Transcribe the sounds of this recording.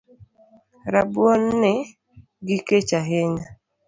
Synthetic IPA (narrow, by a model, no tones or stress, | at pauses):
ɾabuɔnːɛ | ɡiket͡ʃaɦeɲa